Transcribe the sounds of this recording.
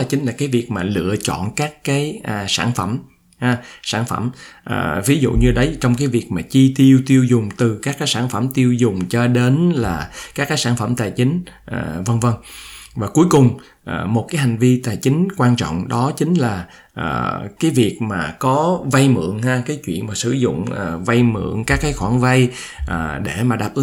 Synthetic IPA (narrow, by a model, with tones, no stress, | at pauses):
t͡ɕï˨˦ŋ̟laː˨˩kaː˨˦jvi˨˩ək̚maː˨˩lɨ̰˧˨ət͡ɕɔ̰˧˨nkaː˦˥kːaː˨˦jʔsaː˧˩nfə˧˩m | haː˧saː˧˩nfə˧˩mʔəː˨˩vi˨˦zṵ˧˨ɲɨ˧ɗə˨˦jt͡ɕɔ˧wŋ͡mk̬aː˨˦jvi˨˩ək̚maː˨˩t͡ɕi˧t̪i˧əwt̪i˧əwzʊ˨˩ŋ͡mt̪ɨ˨˩kaː˦˥kːaː˨˦jsaː˧˩nfə˧˩mt̪i˧əwzʊ˨˩ŋ͡mt͡ɕɔ˧ɗe˨˦nlaː˨˩kaː˦˥kːaː˨˦jsaː˧˩nfə˧˩mt̪aː˨˩jt͡ɕï˨˦ŋ̟ʔaː˨˩və˧ŋvə˧ŋvaː˨˩ku˨˦jkʊ˨˩ŋ͡m | ʔaː˨˩mo˨˩t̚kaː˨˦jha˨˩ŋ̟vi˧t̪aː˨˩jt͡ɕï˨˦ŋ̟kwaː˧nt͡ɕɔ̰˧˨wŋ͡mɗɔ˨˦t͡ɕï˨˦ŋ̟laː˨˩ | ʔə̰ː˨˩kaː˨˦jvi˨˩ək̚maː˨˩kɔ˨˦va˧jmɨ̰˧˩˨əŋhaː˧kaː˨˦jt͡ɕwḭ˧˨ənmaː˨˩sɨ̰˧˩zʊ̰˧˨ŋ͡mʔːva˧jmɨ̰˧˨əŋkaː˦˥kːaː˨˦jxwaː˧˩ŋva˧j | ʔəː˨˩ɗe˧˩maː˨˩ɗaː˨˩p̚ʔɨ˨˦